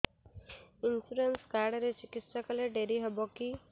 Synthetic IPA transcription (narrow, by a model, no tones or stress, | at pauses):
insuɾenskaɾɽɔɾet͡ʃikit̪sɔkɔleɖeɾiɦebɔki